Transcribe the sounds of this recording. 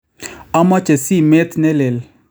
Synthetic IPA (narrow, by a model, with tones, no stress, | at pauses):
ɔ˦mɔ˦t͡ʃe˨si˦˨me˦t̪nɛ˦le˨l